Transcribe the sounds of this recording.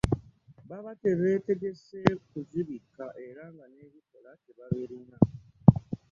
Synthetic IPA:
βaβate̞βe̞ːte̞ɡe̞sekuziβikːaʔe̞ɾaŋɡane̞βikolat͡ʃeβaβeɾina

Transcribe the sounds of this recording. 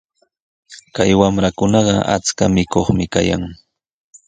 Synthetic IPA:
kajwamɾakʊnɑɢɑʔa̰t͡skamɪkoχmɪka̰ja̰ŋ

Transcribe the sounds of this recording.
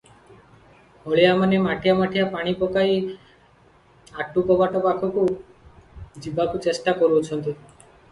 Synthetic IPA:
hɔɭijamanemaʈʰijamaʈʰijapaɽ̃ipɔkai | aʈːukɔbaʈɔpakʰɔku | d͡ʒibakut͡ʃesʈakɔɾut͡ʃʰɔnt̪i

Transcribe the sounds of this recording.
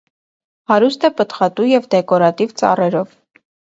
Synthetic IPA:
hɑɾust̪ɛpət̪χɑt̪ujɛvd̪ɛkɔɾɑt̪ivt͡sɑ̰rɛɾɔv

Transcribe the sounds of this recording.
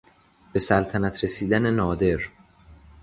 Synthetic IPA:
b̥e̞sælt̪ʰænæt̪ʰɾe̞siːd̪æne̞nɒːd̪e̞ɾ

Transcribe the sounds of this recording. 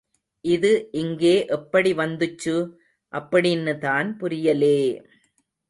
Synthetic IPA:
ʔɪðɯʔɪŋɡeːʔɛpːɐɽiʋɐnd̪ɯt͡ʃːɯ | ʔɐpːɐɽɪɪnːɯt̪aːnpʊɾɪjɐleː

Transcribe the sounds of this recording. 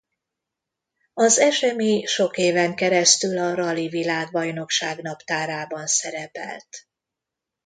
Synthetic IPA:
ɒzɛʃɛmiʃo̞keːvɛŋkɛɾɛst̪ylɒɾɒlivilaːɡbɒjno̞kʃaːɡn̪ɒpt̪aːɾaːbɒnsɛɾɛpɛ̰lt̪

